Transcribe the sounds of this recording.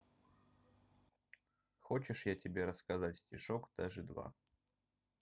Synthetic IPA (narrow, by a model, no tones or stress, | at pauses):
xot͡ɕɪʂjatʲɪbʲe̞ɾəskɐzatʲsʲtʲɪʂokd̪̥aʐɨd̪va̰